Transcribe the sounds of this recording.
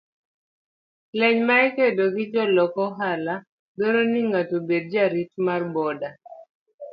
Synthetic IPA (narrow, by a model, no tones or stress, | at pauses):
lɛɲmaɛkedoɡɪd͡ʒɔlɔkɔɦala | beɾoniŋatobed̚d͡ʒaɾitmarbɔda